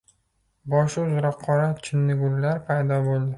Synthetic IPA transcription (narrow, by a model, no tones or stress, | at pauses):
bɒʃʊzɾɒqʰːɒɾat͡ʃʰɪnːɪɡʊlːaɾpʰajd̪ɒbolˠd̪ɪ